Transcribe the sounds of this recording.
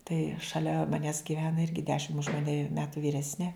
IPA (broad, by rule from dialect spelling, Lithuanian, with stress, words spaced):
tɐɪ ʃɐˈlʲɛ mɐˈnʲæːs ɡʲiːˈʋʲæːnɐ ˈɪrʲɡʲɪ ˈdʲæːʃʲɪm ʊʃ mɐˈnʲɛ ˈmʲæːtʊ ʋʲiːˈrʲæːsʲnʲɛ